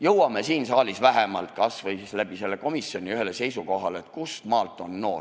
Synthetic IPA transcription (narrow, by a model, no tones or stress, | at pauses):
jɤwɑme̞siːnsɑːlʲisvæɦemɑlt̪̚kɑsvɤjslæb̥ise̞lːe̞ko̞misio̞nʲiyɦe̞lese̞jsuko̞ɦɑleet̪̚kust̪mɑːlt̪ːˑo̞nːo̞̰ː